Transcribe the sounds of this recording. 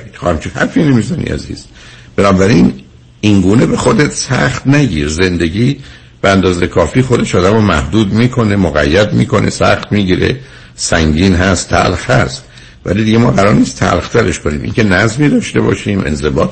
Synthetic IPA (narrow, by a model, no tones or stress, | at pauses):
hæmt͡ʃʰohæ̰ɾfiːnemizæːnḭʔæ̰zḭːz̥ | b̥e̞nɒːbæɾin | inɡuːne̞be̞xo̞d̪et̪sæ̰χt̪næɟiːɾze̞nd̪e̞ɟiː | b̥eænd̪ɒːzejkʰɒːfiːxo̞d̪e̞ʃɒːd̪æmomæ̰hd̪uːd̪miːkʰo̞ne̞moɣæ̰jːæd̪mḭːkʰo̞ne̞̰sæ̰χt̪miːɟiːɾe̞̰ | sæŋɟiːnɦæst̪t̪ʰːæ̰lxhæst̪ | væ̰lid̪iɟe̞mɒːɣæɾɒːɾniːst̪ʰæ̰lxt̪ʰæɾe̞ʃkoniːmʔḭŋcʲʰe̞næzmiːd̪ɒːʃt̪e̞bɒ̰ːʃiːmʔe̞̰nze̞bɒːt̪